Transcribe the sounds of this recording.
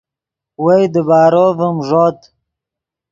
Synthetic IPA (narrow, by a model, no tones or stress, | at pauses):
wejd̪əbaːɾovəmʐot̪